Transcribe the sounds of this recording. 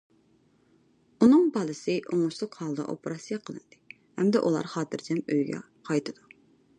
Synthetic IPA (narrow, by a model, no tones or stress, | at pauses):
unɨŋbɑlˠɨsɨʔoŋʊʃlˠɨqhɑlˠd̪ɑ̰ʔo̰pɾɑsijɑqʰəlˠɨnd̪̥ɨ | hɛmd̪ɛʔulˠɑ̰ɾχɑːt̪ʰɨɾd͡ʒɛmøjɡʲɛ̰ | qʰɑjt̪ʰɨd̪̥u